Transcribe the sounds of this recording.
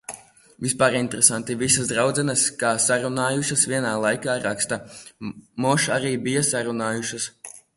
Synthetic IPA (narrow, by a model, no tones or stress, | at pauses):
vispaːɾint̪ɾesant̪ivisasd̪ɾawd̪zɛnɐskaːsaɾunaːjuʃasviɛnaːlˠajkaːɾakst̪a | mɔʃaɾiːbijasaɾunaːjuʃɐs